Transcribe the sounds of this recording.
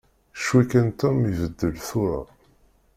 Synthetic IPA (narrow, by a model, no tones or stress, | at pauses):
ʃwikænt̪ɔmivəd̪ːəlθʊɾa̰